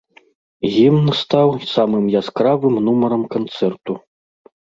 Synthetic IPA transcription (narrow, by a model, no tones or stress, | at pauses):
ɣʲimnst̪awsamɨmjaskɾavɨmnumɐɾɐmkant̪sɛrt̪u